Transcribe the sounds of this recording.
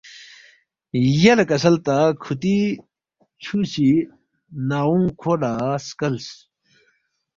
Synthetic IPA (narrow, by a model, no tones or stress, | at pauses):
jɐlekɐsɐlt̪akʰut̪i | t͡ɕʰuɕi | naːũŋkʰoːɖaskɐls